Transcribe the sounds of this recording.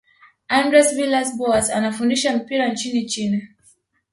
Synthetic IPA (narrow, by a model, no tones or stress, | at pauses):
ãndɹɛsvilasbɔaza̰nafundiʃam̩piɾant͡ʃinit͡ʃina